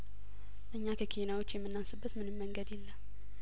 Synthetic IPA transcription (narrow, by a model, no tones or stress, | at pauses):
ʔɨɲːakʰəkʰinawo̞t͡ʃːjɛmːɨnːansɨbːət̪mɨnɨmːəŋɡəd̪jɛlːə